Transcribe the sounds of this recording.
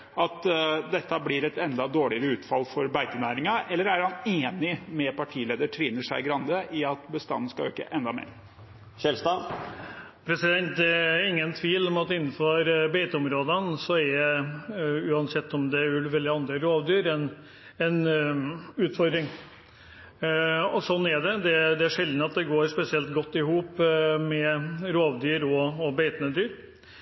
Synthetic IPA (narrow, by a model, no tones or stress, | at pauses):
ɑt̪d̪ɛt̪ːəblɪɾɛt̪ɛnd̪ɑd̪oːɭɪəɾəʉːt̪fɑ̰lfɔɾbæɪt̪ənæːɾɪŋɑʔɛlːəɾæɾhɑneːnɪmɛpɑʈʰiːleːd̪əʈʰɾiːnəʂæɪɡɾɑnd̪əʔɪɑt̪bəst̪ɑ̰nːn̩skɑø̰ːkə̰ʔɛnd̪ɑmḛːɾ | ɕɛlst̪ɑ | pʰɾɛsɪd̪ɛnt̪ɛɪŋːənt̪ʰʋiːlɔmɑt̪ɪnːn̩fɔɾbeɪt̪əɔmɾoːd̪ənsɔɛɛ | ʉːɑnsɛt̪ːɔmd̪ɛʉʋɛlːɪɑnd̪ɾəɾoːʋd̪yːɾɛn | ɛn | ʉːt̪fɔɾd̪ɾɪŋ | ɔsɔnːæɖɛd̪ɛd̪ɛæʂɛld̪nəɑt̪̚d̪ɛɡoːɾʂpɛsɪɛlt̪ɡɔt̪ːɪhuːpmɛɾoːʋd̪yːɾɔːbeɪt̪ənəd̪yːɾ